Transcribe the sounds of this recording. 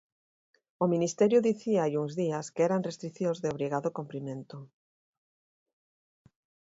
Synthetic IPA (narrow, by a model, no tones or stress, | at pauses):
ominist̪ɛɾjʊðiθiaajuŋzðiaskeɛɾaŋrest̪ɾiθjõzðeoβɾiɣaðʊkompɾimẽnt̪ʊ